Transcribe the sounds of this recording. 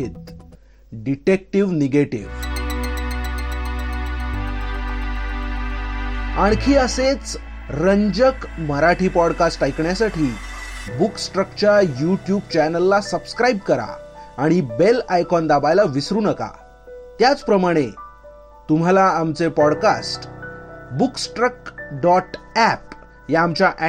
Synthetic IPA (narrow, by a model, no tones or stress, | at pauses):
iːt̪ | ɖiʈek̚ʈiʋniɡeʈḭʋ | aɳ̃kʰiːəset͡s | ɾəɲd͡ʑəkməɾaʈʰiːpɔɽkasʈːajkɳjasaʈʰiːbuksʈɾəkt͡ɕəjuʈjub̚t͡ɕɛnəlːasəbskɾajibkəɾa̰ːɽ̃ibelajkɔnd̪abajlaʋisɾuːnəka̰ | t̪jat͡spɾəmaɽ̃e | t̪um̤alaːmt͡sepɔɽkasʈ | buksʈɾək̚ɖɔʈæp̚ | jaːmt͡ɕjaʔæ